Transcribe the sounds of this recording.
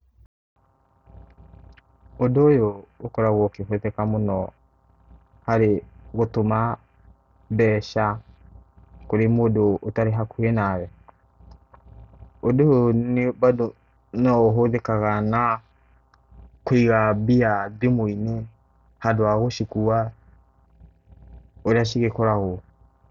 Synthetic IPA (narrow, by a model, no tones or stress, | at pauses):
odoːjoːkɔɾaɣɔkeɦoðekamonɔ | haɾeɣotoma | bɛːʃa | koɾemodoʔːtaɾeɦakuenaɣɛ | odoonebado | nɔoɦoðekaɣana | koiɣabiaðemoine | hadoaɣoʃikua | oɾeaʃiɣekɔɾaɣo